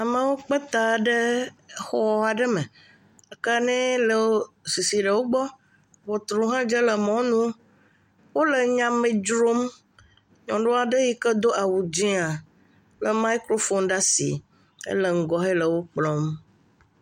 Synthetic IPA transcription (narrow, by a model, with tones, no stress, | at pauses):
a˨mə̃˨wo˦k͡pə˦t̪a˨ɖə˦xɔ˦a˨ɖə˦mẽ˨ | a˨ka˦nɛ̃˦lə˨si˨si˨ɖə˨wo˦ɡ͡bɔ˦ | wɔ˨t̪ɾu˨ɦã˦d͡ʒə˦lə˨mɔ̃˦nũ˦ | wo˦lə˨ɲã˨mẽ˨d͡ʒɾo˦m | ɲɔ̃˨ɖo˦a˨ɖə˦ji˦kə˦d̪o˦ʔa˨wu˨d͡ʒĩ˦a˨ | lə˨ma˦i˦kɾo˦fo˦nɖa˦sḭ˨ | ə̰˦lə˨ŋ̩˨ɡɔ˦ɦe˦lə˨wo˦k͡plɔ̃˦m